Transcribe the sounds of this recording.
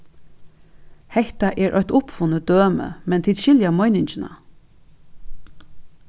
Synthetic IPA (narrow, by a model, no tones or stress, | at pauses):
hɛht̪aʔɛːɹʔɔ̰ʏt̪ʊpfʊnəd̪øːmə̰mɛnt̪ʰɪlʃɪljamɔʏnɪɲt͡ʃɪna̰